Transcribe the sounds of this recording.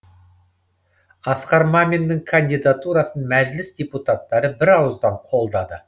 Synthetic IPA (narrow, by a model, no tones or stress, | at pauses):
ɑsqɑɾmamʲend̪ɪŋkʰɐnd̪ijd̪at̪uɾɑsənmæʒlɪsd̪ʲeput̪at̪ːɑɾəbɪɾɑwəzd̪ɑɴqʰo̞lˠd̪ɑd̪ə